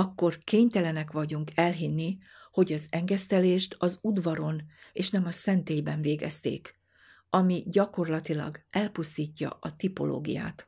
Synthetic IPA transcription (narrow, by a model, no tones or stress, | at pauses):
ɒkːo̞rkeːɲt̪ɛlɛnɛkʋɒɟuŋkʰɛlɦinːi | ho̞ɟɒzɛŋɡɛst̪ɛleːʃt̪ɒzud̪vɒɾo̞neːʃnɛmɒsɛnt̪eːjbɛɱveːɡɛ̰st̪ḛːk | ɒmiɟɒko̞rlɒt̪ilɒ̰ɡɛlpust̪iːcːɒ̰ɒt̪ipo̞̰lo̰ːɡḭja̰ːt̪